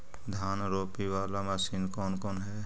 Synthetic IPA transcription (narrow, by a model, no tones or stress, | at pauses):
d̪ʱaːnɾoːpiʋaːlamasiːnkɔːnkɔːnɦɛ